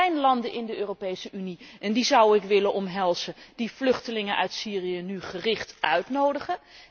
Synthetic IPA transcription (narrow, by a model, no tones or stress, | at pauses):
ɛjnlɑndənʔɪndəøːropejsəyniʔɛndizʌwɪkʋɪlənʔɔmɦɛlˠz̥əd̥ivlɵχtəlɪŋəʔœ̰ɥtsiːrijənyχərɪχtʔœɥtnowdəχə